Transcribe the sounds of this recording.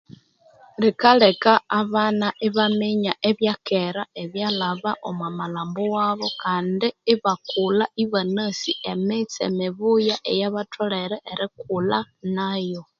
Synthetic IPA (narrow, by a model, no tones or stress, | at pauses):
likalekaːβanaʔiβamiɲaʔeβjakeɾaeβjalaβaʔomamalaːmbowaβokaːndiːβakulaʔiβanasiemit͡sḛmiβujaʔejaβatʰoleɾeʔeɾikula | najo